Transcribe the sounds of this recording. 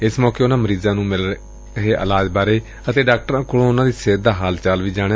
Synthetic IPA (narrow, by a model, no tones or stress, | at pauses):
ɪsmɔːkeːʊnãːməɾiːzãːnũːmɪl | ɦeːʔə̰laːd͡ʒbaːɾeː | ət̪eːɖaːkʈəɾãːkʊlõːʊnãːd̪iːseːd̪aːɦaːlt͡ʃaːlʋiːd͡ʒaːɽ̃e